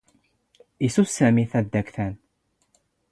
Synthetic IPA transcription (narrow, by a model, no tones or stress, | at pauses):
isussæmiθæd̪ːækθæn